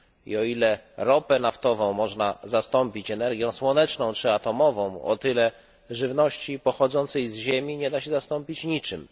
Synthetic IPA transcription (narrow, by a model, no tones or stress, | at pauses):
ḭɔilɛɾɔpɛnaft̪ɔvɔ̃w̃mɔʐnazast̪ɔmpʲit͡ɕɛnɛɾɡʲjɔ̃w̃swɔnɛt͡ʂnɔ̃w̃t͡ʂɘat̪ɔmɔvɔ̃w̃ɔ̰t̪ɘlɛ | ʐɘvnɔɕt͡ɕipɔxɔd̪zɔnt̪sɛjzʑemʲiɲɛd̪aɕɛzast̪ɔmpʲit͡ɕɲit͡ʂɘm